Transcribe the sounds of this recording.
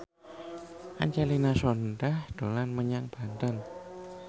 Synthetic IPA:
ʔa̰ɲt͡ʃalinasɔnɖahd̪̥o̤lanməɲaŋb̥a̤nt̪ən

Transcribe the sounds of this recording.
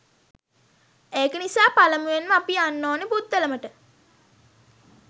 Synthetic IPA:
eːkənisaːpaləmuʋenməapianːoːnepud̪ːələməʈə

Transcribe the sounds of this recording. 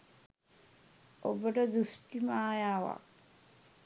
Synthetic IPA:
obəʈɐd̪usʈimaːjaːʋa̰k

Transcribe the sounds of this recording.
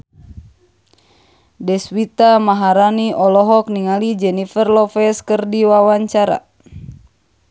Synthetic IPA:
dɛswit̪amaɦaɾaniʔɔlɔɦɔk̚niŋalid͡ʒɛnifərlɔfɛskərdiwawaɲt͡ʃaɾa̰

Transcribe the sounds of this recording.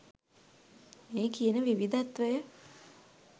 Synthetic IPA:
meːkijənəʋiʋid̪at̪ʋəjə

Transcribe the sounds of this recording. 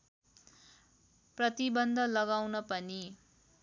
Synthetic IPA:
prʌt̪ibʌnd̪ʱʌlʌɡawnʌpʌni

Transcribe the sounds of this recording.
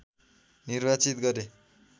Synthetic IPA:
nirbat͡sit̪ɡʌɾe

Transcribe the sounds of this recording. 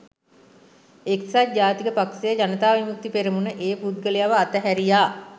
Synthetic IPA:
eksat̪̚d͡ʒaːt̪ikəpaksejəd͡ʒanət̪aːʋimuk̚t̪ipeɾimunəʔeːpud̪̚ɡəlejaʋəat̪əɦæɾijaː

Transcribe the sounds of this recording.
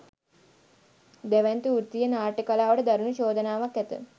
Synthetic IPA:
d̪ɛʋɛnt̪uuɾt̪ijənaːʈəkalaːʋəʈəd̪aɾunuɕoːd̪ənaːʋakːæt̪ə̰

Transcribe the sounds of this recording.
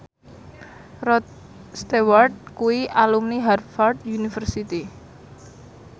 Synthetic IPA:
ɾɔt̪̚ | st̪eward̪̚kuiʔalumniɦarfard̪junifərsit̪i

